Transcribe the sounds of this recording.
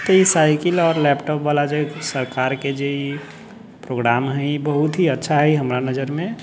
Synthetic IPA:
t̪ɔisaɪkəlɔːɾlɛpʈɔpʋalad͡ʒesəɾkaːɾked͡ʒei | pɾoɡɾamɦɛ̃ibəɦut̪ɦiətːʃʰaɦɛiɦəmɾanəd͡ʒəɾmẽ

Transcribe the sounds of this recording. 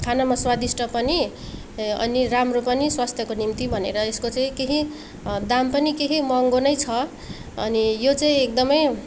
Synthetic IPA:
kʰanamaswad̪isʈʰʌpʌni | ʌ̰niɾamropʌniswast̪ʰjʌkonimt̪ibʱʌnḛɾʌeskot͡saĩkeɦi | d̪ampʌnikeɦimʌŋɡonʌjt͡sʰʌ | ʌ̰nijot͡saĩek̚d̪ʌmʌj

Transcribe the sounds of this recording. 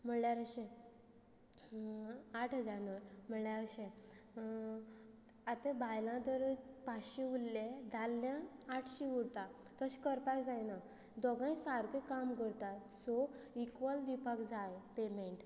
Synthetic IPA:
m̤əɳljaɾəɕẽ | aʈʰɦəd͡zaɾnəɾm̤əɳljaɾəɕẽ | at̪ebʱajlãd̪əɾpaɕĩulːed̪ʱalːjãːʈʰɕiuɽt̪at̪əɕkəɾpakd͡zajna | d̪ɔɡãjsaɾkekamɡəɽt̪a | sɔikʋəld̪ipakd͡zajpemeɳʈ

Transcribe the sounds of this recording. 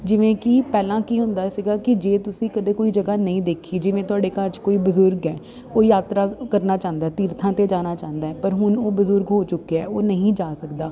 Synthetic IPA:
d͡ʒɪʋẽːkiːpɛːlãːkiːɦʊnd̪aːsɪɡaːkɪd͡ʒeːt̪ʊsĩːkəd̪eːkoːiːd͡ʒəɡaːnəĩːd̪eːkʰiːd͡ʒɪʋẽːt̪ʊaːɽeːkəɾt͡ʃkoːiːbəzʊɾɡɛː | oːjaːt̪ɾaːkəɾnaːt͡ʃãːnd̪aːɛːt̪iːɾt̪ʰãːt̪eːd͡ʒaːnaːt͡ʃãːnd̪aːɦɛːpəɾɦʊnoːbəzʊɾɡɦoːt͡ʃʊkːeɛːoːnəɦĩːd͡ʒaːsəkd̪aː

